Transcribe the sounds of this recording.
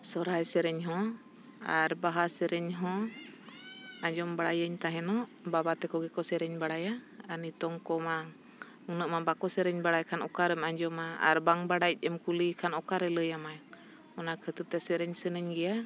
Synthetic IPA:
sɔɾajsɛɾɛɲɦɔ̃ | aɾbaɦasɛɾɛɲɦɔ̃ | aɲd͡ʒɔmbaɽajəɲt̪aɦɛnɔʔbabat̪ɛkɔɡɛkɔsɛɾɛɲbaɽajaənit̪ɔŋkɔma | unəʔmabakɔsɛɾɛɲbaɽajkʰanɔkaɾɛmaɲd͡ʒɔmaa̰ɾbaŋbaɽajc̚ˀɛmkulikʰanɔkaɾɛləjamaj | ɔnakʰət̪əɾt̪ɛsɛɾɛɲsɛnəɲɡɛja

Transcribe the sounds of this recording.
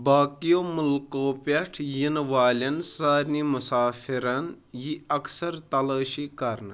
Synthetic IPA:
baːkijoːmulkoːpɐʈʰjinʋaːlʲɐnsaːɾnimusaːfiɾɐn | jiɐksɐɾt̪ɐlɐːʃikɐɾnɨ

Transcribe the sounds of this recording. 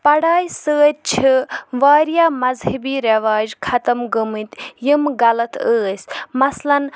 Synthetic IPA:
pɐɽaːjsəːt̪̚t͡ʃʰɨʋaːɾjaːmɐzhɐbiːɾɐʋaːd͡ʒkʰɐt̪ɐmɡəmɨt̪jimɡɐlɐt̪əːsʲmɐslɐn

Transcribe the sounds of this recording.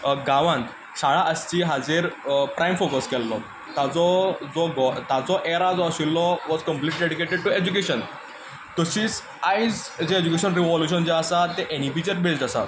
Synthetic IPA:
ɡaʋãnt̪ | saɭaʔəst͡ɕiːɦad͡zeɾpɾʔajmfokəskɛlːɔ | t̪at͡sɔd͡zɔɡɔt̪at͡sɔʔeɾad͡zɔəɕilːɔʋɔd͡zkəmpliʈliɖeɽikeɖʈeɖ̚ʈued͡ʑukeɕən | t̪əɕiːt͡s | ajd͡zd͡ʑeːd͡ʑukeɕənɾiʋɔljuɕənd͡zeəsat̪ːeʔeñipit͡ɕəɾbesasa̰

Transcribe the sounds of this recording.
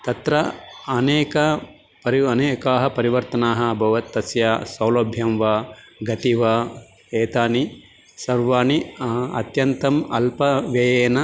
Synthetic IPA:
t̪ɐt̪ɾɐɐneːkɐ | pɐɾiɐneːkaːɦɐpɐɾiʋɐɾt̪ɐnaːɦɐbʱɐʋɐt̪ːɐsjasɐwlɐbʱjɐmʋaː | ɡɐt̪iʋɐ | eːt̪aːni | sɐɾʋaːniɐ̰t̪jɐnt̪ɐmɐlpɐʋjejeːnɐ

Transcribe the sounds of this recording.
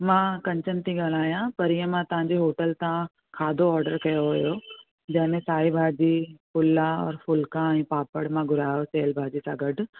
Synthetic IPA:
mãːkɐ̃ɲt͡ɕənɪt̪ʰiɡaːl̤aːijãpɐɾɪjə̃mãt̪ɐʋ̤ãɲd͡ʑeɦoːʈəlt̪ã | kʰaːd̪ʱoɔːɾɖəɾkɐjoɦojo | d͡ʑɐ̃ɦɪ̃mẽsaːibʱaːd͡ʑipʊlːaɔ̰ːɾfʊlkãɛ̃ːpaːpəɽmãɡʱʊɾaːjoseːlbʱaːd͡ʑisãːɡɐɖʱ

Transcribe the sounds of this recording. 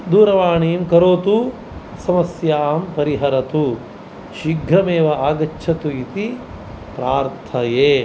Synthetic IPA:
d̪uːɾɐʋaːɳiːmkɐɾoːt̪u | sɐmɐsjaːmpɐɾiɦɐɾɐt̪u | ʃiɡʱɾɐmeːʋɐaːɡɐt͡ʃːʃʰɐt̪uit̪i | pɾaːɾt̪ʰɐjeː

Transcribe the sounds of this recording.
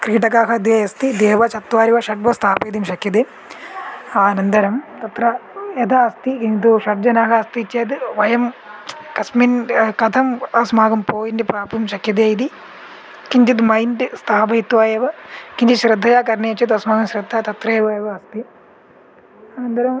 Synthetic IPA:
kɾiːʈɐkaːɦɐd̪eːjɐst̪id̪eːʋɐt͡ʃɐt̪ʋaːɾiʋɐʃɐʈ̚ʋɐst̪ʰaːpɐjd̪imʃɐkʰjɐd̪eː | aːnɐnd̪ɐɾɐmt̪ɐt̪ɾɐed̪aːɐst̪ikint̪uʃɐbd͡ʒɐnaːɦɐɐst̪it͡ʃːeːd̪ɨʋɐjɐmkɐsminkɐt̪ʰɐmɐsmaːɡɐmpoːjinʈipɾaːpumʃɐkʰjɐd̪eːjid̪i | kiɲt͡ʃit̪̬mɐjnʈist̪ʰaːpɐjt̪ʋaːjeʋɐkiɲt͡ʃiʃɾɐd̪ʱːɐjaːkɐɾneɐt͡ʃːɐt̪ɐsmaːɡɐmʃɾɐd̪ʱːat̪ɐt̪ɾɐeʋɐeʋɐɐst̪i | aːnɐnd̪ɐɾɐm

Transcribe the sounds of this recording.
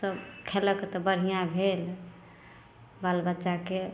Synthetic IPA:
səbkʰeləket̪ɔbəɽ̤ijãbʱel | balbətːʃake

